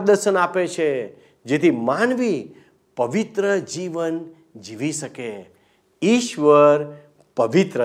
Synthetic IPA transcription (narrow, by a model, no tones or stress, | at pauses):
d̪əɾʃənapet͡ʃʰe | d͡ʒet̪ʰimanʋi | pəʋit̪ɾəd͡ʒiʋən | d͡ʒiʋiʃəke | iʃʋəɾ | pəʋit̪ɾə